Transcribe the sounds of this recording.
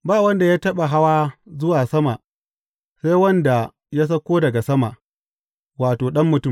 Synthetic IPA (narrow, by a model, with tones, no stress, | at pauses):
baː˦˨wɐ˦nda˨ja˦tɐ˦ɓa˨ɦa˦waː˦zʊ˦waː˨sɐ˦ma˨ʔ | sa˦jwɐ˦nda˨ | ja˦s̬ɐ˦kʷoː˦dɐ˨ɡa˨sɐ˦ma˨ʔ | waː˨toː˨ɗɐ˦mːʊ˨tʊ˦˨m